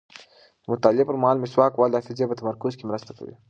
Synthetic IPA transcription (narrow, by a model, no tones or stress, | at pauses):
d̪̥əmʊt̪ɑlepəɾmahɑlmɪswɑkwɑld̪afɪzepət̪amaɾkʊzkemɾəst̪aka̰wḭ